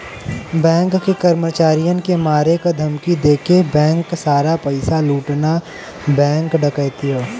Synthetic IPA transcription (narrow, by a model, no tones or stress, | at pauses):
bɛ̃ːŋkːekɐɾmət͡ʃaːɾijənkemaːɾekad̪ʱɐmkid̪eːkʰebɛ̃ːŋkːsaːɾapɐɪsaluːʈna | bɛ̃ːŋkɖɐkəːt̪iɦoː